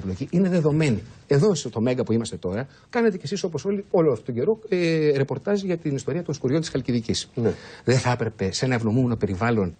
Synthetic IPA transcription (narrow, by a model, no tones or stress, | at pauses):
plo̞ciʔine̞ðe̞ðo̞me̞nie̞ðo̞st̪o̞me̞ŋɡɐpuimɐst̪e̞t̪oɾɐ | kɐne̞t̪ecesiso̞po̞so̞lio̞loɐft̪ot̪oɲɟe̞ɾo̞eɾe̞po̞ɾt̪ɐzʝɐt̪inist̪o̞ɾiɐt̪o̞nskuɾʝo̞nt̪isxɐlciðicisðeθɐpɾe̞pese̞nɐe̞vno̞mumeno̞pe̞ɾivɐlo̞n